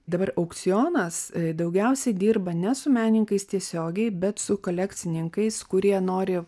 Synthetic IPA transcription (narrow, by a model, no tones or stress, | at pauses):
d̪ɐbɐɾɐʊkt̪sʲɪjoːnɐsd̪ɐʊɡʲɛʊsʲɛɪd̪ʲiːrbɐnʲɛsʊmʲæːnʲɪŋkɐɪst̪ʲiɛsʲoːɡʲɛɪbʲɛt̪sʊkoːlʲɛk̪sʲɪnʲɪŋkɐɪskʊɾʲiɛnoːɾʲɪ